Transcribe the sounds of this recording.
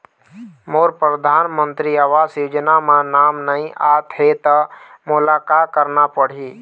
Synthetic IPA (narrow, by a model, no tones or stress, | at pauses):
moːɾpɾəd̪ʱaːnmə̃nt̪ɾiəʋaːsjud͡ʒnamãnaːmnəĩʔaːt̪ɦet̪əmʊlaːkaːt̪̚kəɾnapəɽ̤iː